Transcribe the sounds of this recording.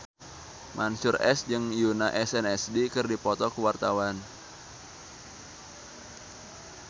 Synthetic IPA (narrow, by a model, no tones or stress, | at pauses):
mʔansʊrɛ̰sd͡ʒɨŋjunaʔɛsɛnɛsdikɨrdipɔt̪ɔkəwart̪awan